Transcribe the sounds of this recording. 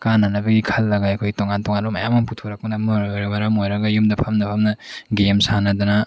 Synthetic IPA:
kanːanɐbɐɡikʰɐlːɐɡaɐkʰojtoŋantoŋanlomɐjamamputʰoɾɐk̚punɐmɯɾojɾabɐɾamojɾɐɡɐjumdɐpʰɐmnɐpʰɐmnɐɡemsanɐdɐnɐ

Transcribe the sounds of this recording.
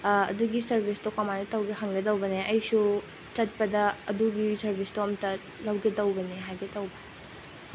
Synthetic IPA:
ɐ̰duɡisɐɾbʱistokɐmanɐtɐwɡeɦɐŋɡɐdɐwbɐneʔɐjsu | t͡ʃɐt̚pɐdɐɐduɡisɐɾbʱistoɐmtɐ | lɐwɡedɐwbɐneɦajɡetɐwbɐ

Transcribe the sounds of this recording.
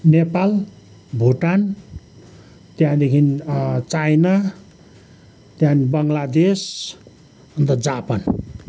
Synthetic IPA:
nepal | bʱoʈan | t̪jãd̪ekʰint͡sajna | t̪jãnibʌŋlad̪es | ʌnt̪ʌd͡zapan

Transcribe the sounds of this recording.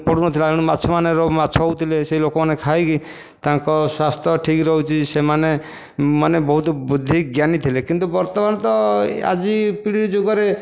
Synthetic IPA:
pɔɽunɔt̪ʰileaɽ̃umatːt͡ʃʰɔmaneɾɔbmatːt͡ʃʰɔut̪ʰileseilokɔmanekʰajki | t̪ãŋkɔswast̪ʰɔʈʰikɾɔɦut͡ʃʰisemane | manebɔɦut̪bud̪ʱikɡjanit̪ʰilekint̪ubɔɾt̪ɔbant̪ɔa̰d͡ʒipiɽiɾd͡ʒuɡɔɾe

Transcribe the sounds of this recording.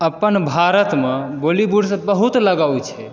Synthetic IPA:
əpənbʱaɾət̪mẽbolibuɽs̬ə̃bəɦut̪ləɡawt͡ʃʰɛ

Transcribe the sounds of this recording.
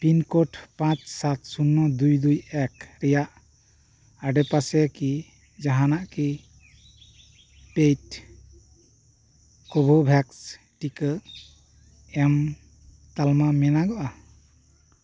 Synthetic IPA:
pinkɔʈpãt͡ʃsat̪sunːɔd̪ujd̪ujɛkɾɛjaʔ | aɖepasɛki | d͡ʒaɦanaʔki | pejt | kɔbʱɔbʱɛks | ʈikə | ɛm | t̪almamɛnaɡɔʔa

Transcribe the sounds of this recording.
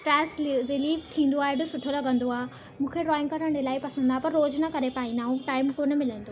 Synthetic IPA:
ʈɾɛːsɾɪliːft̪ʰĩːn̆d̪oaːɦeɖʊsʊʈʰolɐɡʱə̃nd̪oaːɦe | mũːkʰeɾɔːɪ̃ŋkɐɾəɽ̃ɽɪlaːɪpɐsə̃nd̪aːpɐɾːoːd͡ʑnɐkɐɾepaːĩnd̪aːɦũʈaːɪmkoːnə̆mɪlə̃nd̪oː

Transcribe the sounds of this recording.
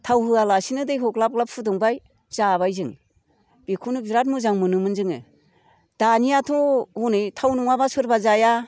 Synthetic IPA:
tʰawhɯalasinɯdɯjɦɔklap̚klap̚pʰɯdɔŋbaj | z̥aβajzɯŋ | b̥ikʰunɯbiɾat̬̚muzaŋmɯnɯmɯnzɯŋɯ̰ | d̥anijatʰɔhunɯjtʰawnuŋabasɯɾbazaja

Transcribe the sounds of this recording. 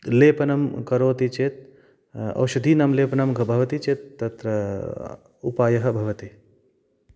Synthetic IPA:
leːpɐnɐmkɐɾoːt̪it͡ʃet̪̚ | ɐ̰ʋwʃɐd̪ʱinɐmleːpɐnɐmɡʱɐbʱɐʋɐt̪it͡ʃet̪ːɐt̪ɾɐ | ṵpaːjɐɦɐ̆bʱɐʋɐt̪i

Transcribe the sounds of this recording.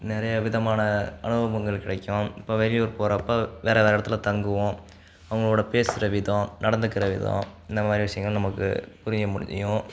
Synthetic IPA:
nɪɾɐjɐʋɪðɐmaːnɐɐnɯbɐʋɐŋɡɐɭkɪɽɐkːõɪpːoːʋɛlɪjoːɾpoːɾɐpːɐʋeːɾɐʋeːɾɐɽɐt̪ːɪlɐt̪ɐŋɡɯʋõ | ɐʋɐŋɡɐɭoːɽɐpeːsɪɾɐʋɪðõnɐɽɐnd̪ɯkːɪɾɐʋɪðõ̰ɪnd̪ɐmaːd̪ɾiʋɪsɐjɐŋɡɐɭnɐmɐkːɯ̰pʊɾɪjɐmʊɽɪɐ̰jʊ̃

